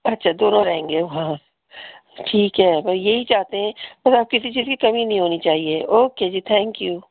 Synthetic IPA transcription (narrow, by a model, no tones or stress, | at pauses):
ɐtːʃʰad̪oːnõɾɐɦẽːŋɡeʋɦã | ʈʰiːkɦɛːbɐsjeɦit͡ʃaːɦt̪eɦɛ̃bɐsaːp̚kɪsit͡ʃiːzkikɐmĩnɐɦĩɦoːnit͡ʃaːɦieʔoːkeːd͡ʒiːt̪ʰɛ̃ːŋkjuː